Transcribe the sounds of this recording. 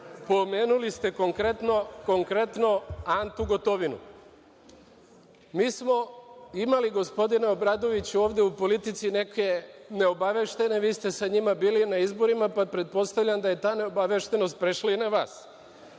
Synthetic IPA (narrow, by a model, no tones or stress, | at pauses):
po̞meːnulist̪e̞ko̞ŋkɾet̪noko̞ŋkɾe̞t̪no̞ant̪uɡo̞t̪o̞ʋinṵ | miːsmo̞imaliɡo̞spo̞d̪ineo̞bɾaːd̪o̞ʋit͡ɕuoːʋd̪je̞upo̞lit̪it̪sine̞ke̞ne̞o̞baʋeʃt̪e̞ne̞ʋiːst̪e̞saɲimabiːlinaizbo̞ɾimapapɾe̞t̪̚po̞st̪aʋʎand̪aje̞t̪aːne̞obaʋe̞ʃt̪e̞no̞st̪̚pɾeʃlainaʋaːs